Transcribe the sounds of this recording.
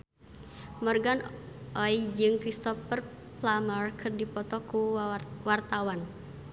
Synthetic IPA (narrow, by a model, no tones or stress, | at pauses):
mɔrɡanʔɔid͡ʒɨŋkɾist̪ɔfər | lamərkɨrdipɔt̪ɔkuwart̪awan